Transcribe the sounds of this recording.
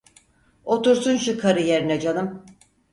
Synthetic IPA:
o̞t̪uɾsunʃukʰaɾɯjeɾinɛd͡ʒanˠɯm

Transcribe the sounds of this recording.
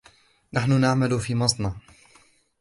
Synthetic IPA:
naħnʊnaʕmalʊfiːmɑsˤnɑ

